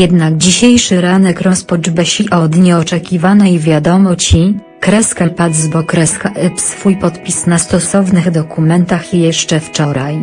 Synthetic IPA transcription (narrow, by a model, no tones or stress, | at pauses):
jɛd̪naɡd͡ʑiɕejʂɘɾanɛkɾɔspɔd͡ʐbɛɕiʔɔd̪ɲɛɔt͡ʂɛkʲivanɛjvʲjad̪ɔmɔt͡ɕi | kɾɛskapad̪zbɔkɾɛskaʔɛpsfujpɔt̪pʲisnast̪ɔsɔvnɘɣd̪ɔkumɛnt̪axjɛʂt͡ʂɛft͡ʂɔɾaj